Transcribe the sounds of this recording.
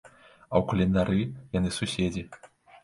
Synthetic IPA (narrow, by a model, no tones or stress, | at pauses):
ɐwkɐlʲɛnd̪aɾɨjanɨsusʲed͡zʲi